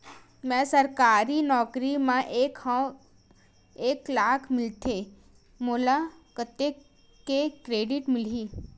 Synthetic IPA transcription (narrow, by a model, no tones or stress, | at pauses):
mɛ̃sɐɾkaːɾinɔːkɾimãʔeːk | eːklaːkʰmɪlt̪ʰe | moːlakət̪ːe | kekɾeːɖɪʈmɪliː